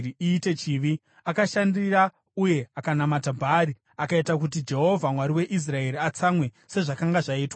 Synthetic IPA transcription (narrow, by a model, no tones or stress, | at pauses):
iiːte̞t͡ʃiːʋi | akaʃandiɾa | uje̞akanamatabʱaːɾi | akaitakut̬id͡ʒe̞ɦo̞vʱamwaɾiwe̞ʔis̬rae̞ɾiat͡samwe̞ | se̞ʐakaŋɡaʐaiːtwa